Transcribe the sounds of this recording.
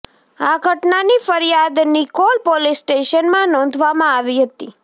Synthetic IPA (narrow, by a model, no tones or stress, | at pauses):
aɡʱəʈnanifəɾjad̪nikolpolisʈeʃənmãnɔ̃n̆d̪ʱʋamãaʋiɦət̪i